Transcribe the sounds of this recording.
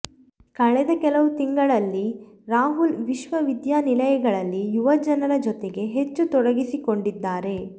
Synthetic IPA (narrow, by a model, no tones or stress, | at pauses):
kɐɭɛd̪ɐkɛlɐʋut̪iŋɡɐɭɐlːi | ɾaːɦulʋiʃʋɐʋid̪jaːnilɐjɐɡɐɭɐlːijuʋɐd͡ʒɐnɐɾɐd͡ʒɔt̪eɡe̞ɦe̞t͡ʃːut̪ɔɽɐɡisikoɳɖid̪ːaːɾe̞